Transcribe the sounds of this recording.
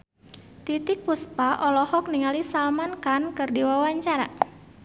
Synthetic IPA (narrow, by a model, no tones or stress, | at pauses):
t̪it̪ɪk̚puspaʔɔlɔhɔk̚niŋalisalmankankɨrdiwawaɲt͡ʃaɾa̰